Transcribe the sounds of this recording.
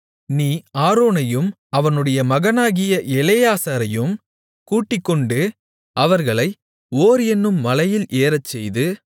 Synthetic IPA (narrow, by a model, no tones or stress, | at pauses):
niːaːɾoːnɐjɯm | ɐʋɐnɯɽɐjɐmɐɣɐnaːɣɪjɐʔɛlɛjaːsaːɾɐjɯm | kuːʈːɪkːɔɳɖɯ | ʔɐʋɐɾɣɐɭɐɪ | oːɾɛnːɯmːɐlɐjɪlʔeːɾɐt͡ʃːɛjðɯ